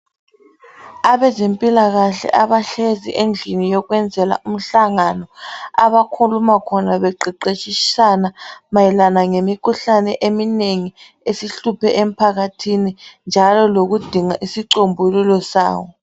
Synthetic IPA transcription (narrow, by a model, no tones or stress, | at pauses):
aβɛzempʼilaɣaɬɛ̰ʔaβaɬeziʔend͡ɮʱinijɔɣwɛnd͡zʱɛla̰um̩ɬaŋanɔa̰βakʰulumakʰɔnaβɛǃiǃet͡ʃʼisanamajɛlanaŋemikʰuɬanɛʔemineŋi | esiɬupɛʔem̩pʰaɣatʰinind͡ʒʱalɔloɣud̥ʱiŋaʔisiǀombʱululɔsa̰ːwɔ